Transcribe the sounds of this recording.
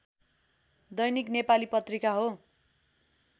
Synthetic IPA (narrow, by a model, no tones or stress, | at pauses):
d̪ʌjniknepalipʌt̪rikaɦo